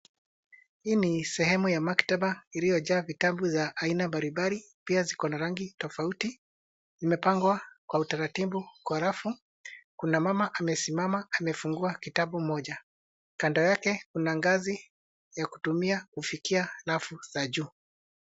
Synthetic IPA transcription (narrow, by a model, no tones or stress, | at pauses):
hiːnisɛhɛmujamaktaɓailijɔʄaːvitaɓuzaʔːinambaɾimbali | piazikɔnaɾaŋɡitɔfauti | zimɛpaŋɡwakwautaɾatibukwaɾafu | kunamamaʔamɛsimamaːmɛfuŋɡuakitaɓum̩mɔʄa | kandɔjakɛkunaŋɡazi | jaku̥tumiakufikialafuz̥aʄuː